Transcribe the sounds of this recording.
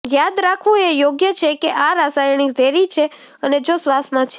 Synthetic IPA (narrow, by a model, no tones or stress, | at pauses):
jad̪ɾakʰʋũejoɡjət͡ʃʰekeʔaɾasajɳ̃id̪ʱeɾit͡ʃʰe | əned͡ʒosʋasmãt͡ʃʰe